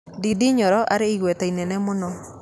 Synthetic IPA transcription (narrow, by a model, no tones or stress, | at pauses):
didiɲɔɾɔʔaɾeiɣwɛtɛinɛnɛmonɔ